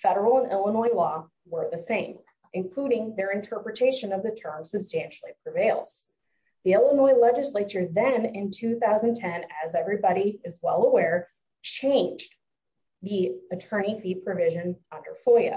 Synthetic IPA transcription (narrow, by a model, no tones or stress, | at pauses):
fɛɾə˞l̩ˠə̃nʔɪlˠənɔɪlɔ | wə˞ðɨsẽɪ̃m | ʔɨ̃nkʰl̥uɾɪ̃ŋðə˞ɨ̃ntʰɜ˞pɹɨtʰeɪʃɨ̃nʌvðɨtʰɜ̃˞msɨb̥stæ̃nʃl̩ˠipʰɹ̥ɨveɪlˠz̥ | ðiɪlˠənɔɪlɛd͡ʒɨsleɪt͡ʃə˞ðɨ̃nɪ̃ntʰʉθaʊzɨ̃n̩tʰɛ̃nɨzɛvɹibɑɾiɨzwɛlˠəwɛɹ | t͡ʃʰẽɪ̃nd͡ʒ | ðiɨtʰɜ̃˞ñifipʰɹ̥ɨvɪʒɨ̃nʌ̃ndə˞fɔɨ̰